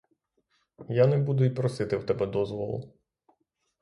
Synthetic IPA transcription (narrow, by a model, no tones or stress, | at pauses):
janɛbud̪ʊjipɾɔsɪt̪ɪwt̪ɛbɛd̪ɔzʋɔlˠʊ̰